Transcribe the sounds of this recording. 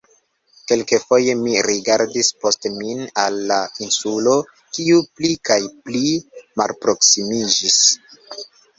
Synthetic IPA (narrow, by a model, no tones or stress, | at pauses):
ke̞lkefo̞je̞miɾiɡaɾdispo̞stminalːainsulo̞ | kiuplikajplima̰lpɾo̞ksimid͡ʒis